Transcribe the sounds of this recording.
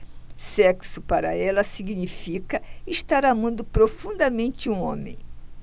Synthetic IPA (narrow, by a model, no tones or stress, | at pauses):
sɛksʊpaɾɐɛlɐsiɡnifikɐiʃt̪aɾamɐ̃nd̪ʊpɾofũnd̪ɐmẽnt͡ʃɪũõmẽj̃